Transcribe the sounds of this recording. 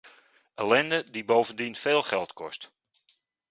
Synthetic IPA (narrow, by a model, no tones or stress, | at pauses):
əlɛndədibowvəndinfeːlˠχɛlˠtkɔ̰st